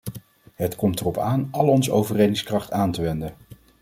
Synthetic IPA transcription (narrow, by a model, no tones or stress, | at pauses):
ɦətkɔmtərɔpaːnʔɑlɔnzəowvərejdɪŋskrɑχtaːntəʋɛndən